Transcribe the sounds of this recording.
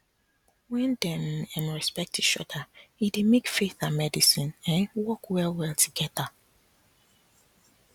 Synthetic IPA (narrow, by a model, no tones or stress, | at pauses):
wɛ̃ndɛ̃nɛ̃nɹɛspɛk̚tiʃɔ̰daidimekfeθamɛdisĩnɛ̃nwɔkwɛlwɛltʰuɡɛða